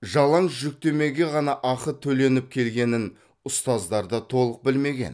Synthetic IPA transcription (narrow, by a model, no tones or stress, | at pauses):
ʒɑlˠɑɴʒʏk̚t̪e̞me̞ɡʲe̞ʁɑnɑʔɑqət̪ʰɵle̞nɪp̚kʲʰe̞lɡʲe̞nɪn | ʊst̪ɑzd̪ɑɾd̪ɑt̪ʰo̞lˠəq̚bɪlme̞ɡʲe̞̰n